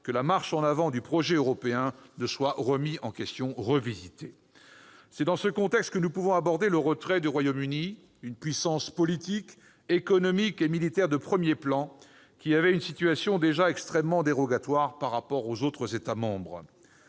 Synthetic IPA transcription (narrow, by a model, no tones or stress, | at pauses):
kəlamaʁʃɑ̃navɑ̃d̪ypχɔʒɛøʁɔpeɛ̃nəswaʁəmiɑ̃kʲɛst̪jɔ̃ʁəvizit̪e | sɛd̪ɑ̃səkɔ̃t̪ɛkst̪̚kənupuvɔ̃abɔʁd̪eləʁət̪χɛd̪yʁwajomyni | ynpɥisɑ̃spɔlit̪ik | ekɔnɔmikemilit̪ɛʁd̪əpχəmjeplɑ̃ | kʲiavɛynsit̪ɥasjɔ̃d̪eʒaɛkst̪χɛmːɑ̃d̪eʁɔɡat̪waʁpaʁːapɔʁozot̪χəzet̪amɑ̃bʁ